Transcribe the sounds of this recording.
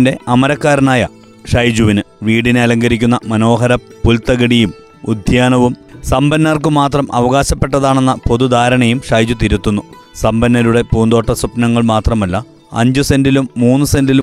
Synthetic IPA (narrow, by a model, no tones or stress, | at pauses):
nde̞ɐmɐɾɐkːaːɾnaːjɐ | ʂɐjd͡ʑuʋinɨ | ʋiːɽineɐlɐŋɡɐɾikʲːunːɐmɐno̞ːɦɐɾɐpːult̪ɐɣɐɽijum | ud̪ʱjaːnɐʋumsɐmbɐnːɐrkɨmaːt̪rɐmʔɐ̰ʋɐɣaːɕɐpːe̞ʈːɐðaːɳe̞nːɐpo̞ðud̪ʱaːɾɐɳɐjumʂɐjd͡ʑut̪iɾut̪ːunːu | sɐmbɐnːɐɾuɽe̞puːnd̪o̞ːʈːɐsupnɐŋːɐɭmaːt̪rɐmɐlːɐ | ɐ̰ɲd͡ʑusendilumːuːnːɨse̞ndilu